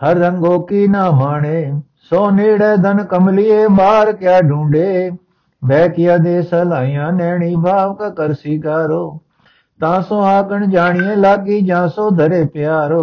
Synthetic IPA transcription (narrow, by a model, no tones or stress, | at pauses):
həɾɾə̃ŋɡoːkiːnaːmaːɳeː | soːneːɽɛːd̪ʱənkəmliːeːɓaːɾkjaːɖʱũːɳɖeː | bɛːkɪjaːd̪eːsəlaːɪjãːnɛːɳiːbʱaːʋkakəɾsiːkaːɾoː | t̪ãːsõːaːkəɳd͡ʒaːɳɪjẽːlaːkiːd͡ʒãːsoːd̪ʱəɾeːpɪjaːɾoː